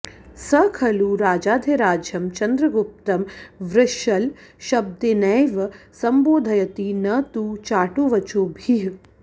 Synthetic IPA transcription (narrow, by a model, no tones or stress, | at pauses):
sɐkʰɐluɾaːd͡ʒaːd̪ʱeɾaːd͡ʒjɐmt͡ʃɐnd̪ɾɐɡup̚t̪ɐmʋɾɪʃɐlʃɐb̚d̪enɐjʋɐsɐmboːd̪ʱɐjɐt̪inɐt̪ut͡ʃaːʈoːʋɐt͡ʃoːbʱiɦ